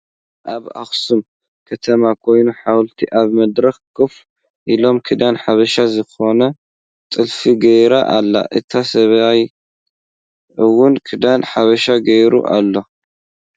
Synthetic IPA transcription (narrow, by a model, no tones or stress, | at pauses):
ʔaβa̰xsum | kʰɐt̪ʰɐmakʰo̞jnuħawlt̪ʰiʔaβmɐd̪ɾɐxkɨf | ʔilo̞mkʰɨd̪anħaβɐʃazɨxo̞nɐ | t̪ʼɨlfiɡɐjɾaʔalːa̰ʔɨt̪ʰasɐβaj | ɨwʊnkʰɨd̪anħaβɐʃaɡɐjɾṵʔa̰lːo̞